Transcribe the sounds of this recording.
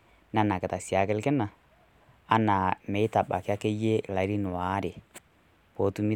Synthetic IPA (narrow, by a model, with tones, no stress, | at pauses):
na˦na˨kɛ˨ta˨si˨a˨kɛ˦lkɛ˦na˨ | a˦na˨mɛ˨i˦ta˨ɓa˨ke˦a˦kɛ˦je˦˨la˨i˦ɾi˦nʊ˨wa˨˦ɾe˨ | po˨˦tu˦mi˦